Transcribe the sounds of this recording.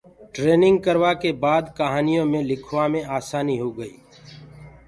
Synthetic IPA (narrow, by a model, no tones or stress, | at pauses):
ʈɾeːnɪ̃ŋɡ̚kəɾʋaːkeːbaːd̪kəɦaːnijõːmẽːlɪkʰʋaːmẽaːsaːniːɦoːɡəiː